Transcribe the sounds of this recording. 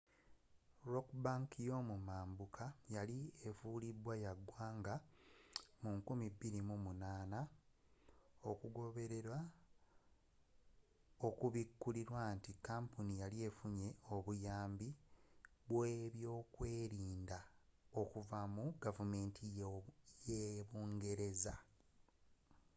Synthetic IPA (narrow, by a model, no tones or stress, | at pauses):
ɾokbaŋkjo̞mumaːmbukʰajalie̞vulibwajaɡwaːŋɡa | muŋkumibːiɾimumunaːna | o̞kuɡo̞βe̞ɾe̞ɾwa | o̞kuβikːuliɾwantikːaːmpunijalie̞fuɲe̞o̞βujaːmbi | βweβjo̞ːkwe̞ːɾiːndao̞kuvamuɡavume̞ːntʰijeβuːŋɡe̞ɾe̞za